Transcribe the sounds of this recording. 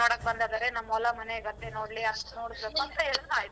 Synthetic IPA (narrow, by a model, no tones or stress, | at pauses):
aːɽɐk̚bɐnd̪aːd̪aːɾenɐmːɔlːɐmɐneiɡɐt̪ːeno̞ːɽliɐʂʈuno̞ːɽisbeːkuɐnt̪ɐeɭɐnuaːjit̪u